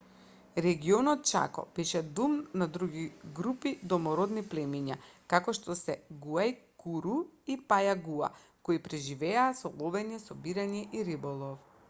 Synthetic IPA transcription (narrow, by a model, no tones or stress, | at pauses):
ɾɛɡiɔnɔt̪̚t͡ʃa̰kɔ̰b̥ɛʃɛd̪umnad̪ɾuɡiɡɾupid̪ɔmɔɾɔd̪niplɛmiɲakakɔʃt̪ɔsɛɡuajkuɾuipajaɡua̰ | koipɾɛʒivɛaːsɔlˠɔbɛɲɛsɔbiɾaɲɛʔiɾibɔlˠɔf